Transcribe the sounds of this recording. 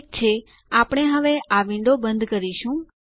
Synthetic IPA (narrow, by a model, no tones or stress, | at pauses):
k̚t͡ʃʰe | apɽ̃eɦəʋeaʋɪ̃ɳɖobənd̪ʱkəɾiʃũ